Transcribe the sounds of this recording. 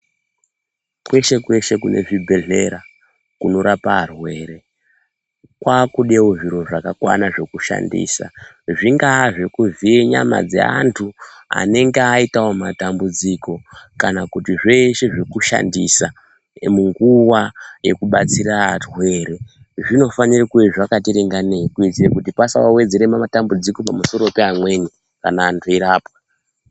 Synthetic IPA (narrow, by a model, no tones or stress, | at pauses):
kwe̞ʃe̞kwe̞ʃe̞kune̞̰ʐibʱe̞ɮe̞ɾa | kuno̞ɾapaːrwe̞ːɾe̞ | kwaːkuɗewoʐiɾo̞ʐakakwa̰naʐe̞kuʃa̰ndḭːsa̰ | ʐiŋɡaːʐekuvieɲa̰ma̰d͡zḛa̰ntʰua̰ne̞ŋɡeaitawomatambud͡ziko̞kanakutiʐe̞ʃe̞ʐekuʃa̰ndisa | muŋɡuwaje̞̰kuɓat͡sirarwe̞ːɾe | ʐino̞fanirakuiʐakatiɾiŋɡaneikuit͡sirekutipasawawe̞d͡ze̞ɾemamatambud͡ziko̞pamuso̞ɾopeamwe̞ni | kanaːntʰuiɾaːpa